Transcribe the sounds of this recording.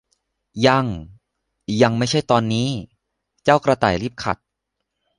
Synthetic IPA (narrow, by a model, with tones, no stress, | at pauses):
ja˧ŋ | ja˧ŋma˥˩jt͡ɕʰa˥˩jt̪ɔː˧nːiː˦˥ | t͡ɕaː˥˩wkɾa˧t̪a̰ː˨˩jɾiː˥˩p̚kʰa̰˨˩t̪̚